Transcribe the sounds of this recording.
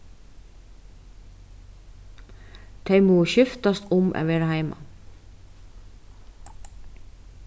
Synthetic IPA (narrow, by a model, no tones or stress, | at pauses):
t̪ʰeɪmoːʃʏft̪ast̪ʊmʔɛ̰ːʋɛːɾahaɪmʔa̰